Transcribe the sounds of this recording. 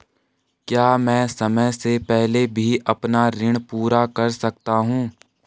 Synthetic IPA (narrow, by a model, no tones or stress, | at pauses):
kjaːmɛ̃ːsɐməjsepɛɦlebʱiʔɐpnaɾɪɽ̃puːɾakɐɾsɐk̚t̪aɦũː